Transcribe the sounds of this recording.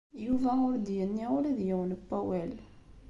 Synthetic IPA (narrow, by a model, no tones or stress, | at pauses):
juvæʊɾd̪jənːiʊɾæðjæwənpːæwæl